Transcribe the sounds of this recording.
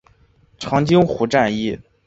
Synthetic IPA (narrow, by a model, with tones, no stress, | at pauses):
ʈ͡ʂʰɑ˧˥ŋt͡ɕi˥ŋxu˧˥ʈ͡ʂa˥˧ni˥˩